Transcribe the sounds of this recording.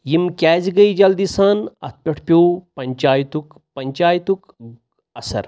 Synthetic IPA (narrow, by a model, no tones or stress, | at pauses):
jimkʲɛːzɡɐid͡ʒɐld̪isaːnɐ̰t̪̚ʰpʲɐʈʰpʲoːpɐɲt͡ʃaːjt̪uk | pɐɲʲt͡ʃaːjt̪uk | ɐsɐ̰ɾ